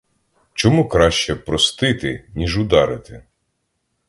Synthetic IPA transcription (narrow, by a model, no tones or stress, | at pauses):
t͡ʃɔmukɾɑʃt͡ʃɛpɾɔst̪ɪt̪ɪnʲiʒʊd̪ɑɾɪt̪ɪ